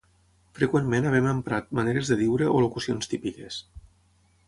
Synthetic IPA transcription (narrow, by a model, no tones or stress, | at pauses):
fɾəkwemmẽnəβɛməmpɾat̪maneɾezðəðiwɾəʔolukusionst̪ipikes